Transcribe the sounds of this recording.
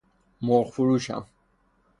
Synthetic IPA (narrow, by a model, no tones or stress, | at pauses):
mɔɾχfuɾuʃa̰m